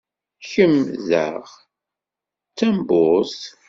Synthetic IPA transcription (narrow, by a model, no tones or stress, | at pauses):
çəmːðə̰ʁ | t͡sːæmbʊs